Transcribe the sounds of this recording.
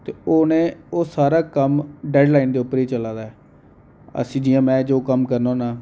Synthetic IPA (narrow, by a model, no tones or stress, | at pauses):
t̪eːoːnẽːoːsaːɾaːkəmɖɛːɖlaːiːnd̪eːʊpːəɾiːt͡ʃəlaːd̪aːɛː | ə̰sĩːd͡ʒɪjãːmɛ̃ːd͡ʒoːkəmkəɾnõːnaː